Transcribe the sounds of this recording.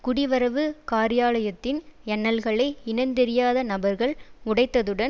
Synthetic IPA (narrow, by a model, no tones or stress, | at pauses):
kʊɽɪʋɐɾɐʋɯkaːɾɪjaːlɐjɐt̪ːɪnɛnːɐlɣɐɭɐɪɪnɐnd̪ɛɾɪjaːðɐnɐbɐɾɣɐɭʊɽɐɪt̪ːɐðɯɽɐ